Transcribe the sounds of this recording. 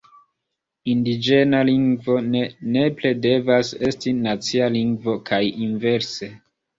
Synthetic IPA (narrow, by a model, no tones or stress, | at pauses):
indid͡ʒe̞naliŋɡvo̞nene̞ple̞de̞vase̞stinat͡sialiŋɡvo̞kʰajinve̞ɾse̞